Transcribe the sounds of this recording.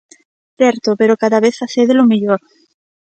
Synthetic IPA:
θeɾt̪ope̞ɾokaðaβeθaθeðelomiʎoɾ

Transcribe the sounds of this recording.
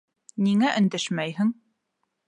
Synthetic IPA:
niŋæʔɵ̆nd̪æʃmæjɦɘ̆ŋ

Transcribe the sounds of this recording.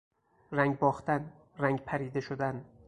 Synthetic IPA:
ɾæŋɡbɒχt̪ʰæn | ɾæŋɡpʰæɾiːd̪eʃod̪æn

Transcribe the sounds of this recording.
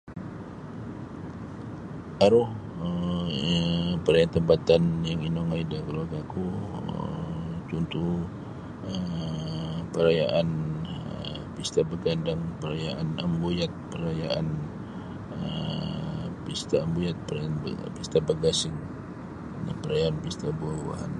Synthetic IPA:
ʔaɾʊh | ə | pəɾajant̪əmpat̪anjaŋinɔŋaidakəluarɡakuət͡ʃunt̪u | ə | pəɾajaʔan | pist̪abəɡandaŋpəɾajaʔanəmbujat̪̚pəɾajaʔan | ə | pist̪aːmbujat̪̚pənpist̪abəɡasɪŋ | dapəɾajaːnpist̪abuawa̰ha̰n

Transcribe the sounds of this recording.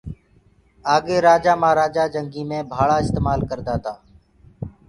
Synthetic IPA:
aːɠeːɾaːd͡ʒaːmãːɾaːd͡ʒaːd͡ʒəŋɡiːmẽːbʱaːɭaːɪst̪eːmaːlkəɾd̪aːt̪aː

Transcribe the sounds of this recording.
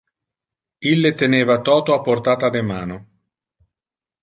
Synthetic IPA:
ilːet̪eneːvat̪ɔːt̪oapːort̪aːt̪ad̪emaːno

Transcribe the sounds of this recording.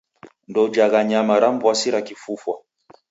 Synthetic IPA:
ndɔd͡ʒaɣaɲamaɾambwasiɾakifufwa

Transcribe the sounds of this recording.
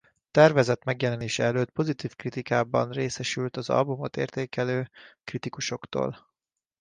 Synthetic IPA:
t̪ɛrvɛzɛt̪mɛɡjɛlɛneːʃɛɛløːt̪po̞zit̪iːfkrit̪ikaːbɒ̰nreːsɛʃylt̪ɒzɒ̰lbumot̪ḛːrt̪eːkɛløːkrit̪ikuʃo̞kt̪o̰ːl

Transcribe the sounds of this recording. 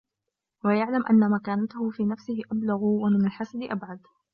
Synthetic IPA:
wajaʕlamʔa̰nːamakaːnat̪ahʊfiːnafsɪhɪʔablaɣwamɪnalħasad̪ɪʔabʕad̪

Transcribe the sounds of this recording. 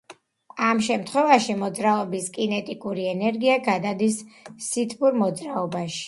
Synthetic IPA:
amʃɛmt̪ʰχwɛvaʃimɔd̪zɾaɔbiskʼinɛt̪ʼikʼuɾiɛnɛɾɡiaɡad̪ad̪isːit̪ʰbuɾmɔd̪zɾaɔbaʃi̥

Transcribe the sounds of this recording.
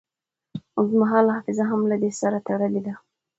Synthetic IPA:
ozmaɦɑlhɑfɪzaɦamlad̪esaɾat̪aɽəled̪a

